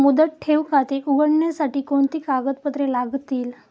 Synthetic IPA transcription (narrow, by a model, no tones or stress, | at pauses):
mud̪ət̪̚ʈʰeʋkat̪eʔuɡəɳɳjasaʈiːkoɳt̪iːkaɡət̪̚pət̪ɾelaɡt̪iːl